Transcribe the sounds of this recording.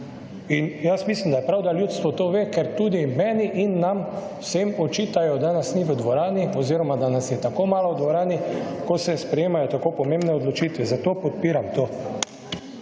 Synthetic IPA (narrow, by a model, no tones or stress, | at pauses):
injasmislimd̪ajɛpɾawd̪aljuːt̪st̪ʋɔt̪oʋeːkɛɾt̪uːd̪imɛːniʔinːam | sɛmɔt͡ʃiːt̪ajɔd̪anasniʋəd̪ʋɔɾaːniɔziːɾɔmad̪anasjɛt̪akomaːlɔd̪ʋɔɾaːnikɔsɛspɾɛjeːmajɔt̪akoːpɔmembnɛɔd̪lɔt͡ʃiːt̪ʋɛzat̪oːpɔt̪̚piːɾamt̪oː